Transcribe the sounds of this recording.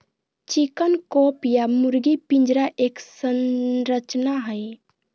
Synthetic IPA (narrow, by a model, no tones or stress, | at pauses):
t͡ʃikənkopjamuɾɡipĩnd͡ʒɾaʔeːksənɾət͡ʃnaɦəj